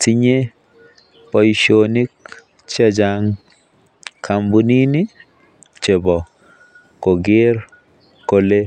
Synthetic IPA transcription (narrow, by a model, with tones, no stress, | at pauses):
ti˦ɲe˦ | pɔ˨jʃoni˦k | t͡ʃa˦d͡ʒaŋ | kʰambu˦ni˦ni˦ | t͡ʃe˨bɔ˨ | ko˨ɡe˦ɾ | ko˨le˦